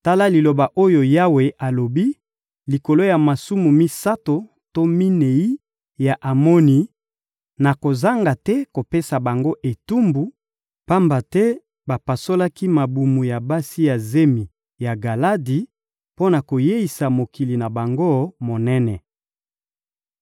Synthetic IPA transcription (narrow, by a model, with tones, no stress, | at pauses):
ta˦la˦li˨lo˨ba˨ʔo˦jo˨ja˦we˨ʔa˨lo˨bi˦ | li˨ko˨lo˦ja˨ma˨su˦mu˨mi˦sa˦to˨ | to˦mi˦ne˨i˦ | ja˨ʔa˨mo˦ni˨ | na˨ko˨za˦ŋɡa˨tɛ˦ko˨pe˦sa˨ba˨ŋɡo˦ʔe˨tu˦mbu˨ | pa˦mba˨tɛ˦ | ba˨pa˨so˦la˦ki˦ma˨bu˨mu˨ja˨ba˦si˦ja˨ze˦mi˨ | ja˨ɡa˨la˦di˨ | po˦na˨ko˨je˦i˨sa˨mo˨ki˨li˨na˨ba˨ŋɡo˦mo˨nɛ˦nɛ˨